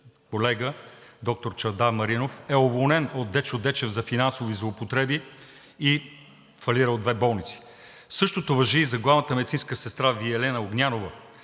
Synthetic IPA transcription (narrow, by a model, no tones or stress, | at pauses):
kolɛɡəd̪ɔk̚t̪oɾt͡ʃɐɾd̪amɐɾinofɛovolˠnɛnod̪ːɛt͡ʃod̪ɛt͡ʃɛvzɐfinansovizlˠoːpot̪ɾɛbiː | fɐliɾəlod̪vɛbɔlˠnit̪si̥ | sɤʃt̪ot̪ovɐʒiːzɐɡlˠavnət̪əmɛd̪it̪sĩnskəsɛst̪ɾaviɛlɛnəoɡnʲanovə